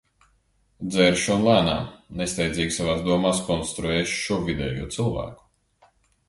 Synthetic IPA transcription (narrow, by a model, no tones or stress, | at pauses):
d̪zɛɾʃɔnlˠæːna̰ːnest̪ɛjd̪zʲiːɡʲisavaːsd̪uɔmaːskɔnst̪ɾuɛːʃʃuɔvid̪ɛ̰ːjṵɔt̪sɨlˠvæ̰ːku̥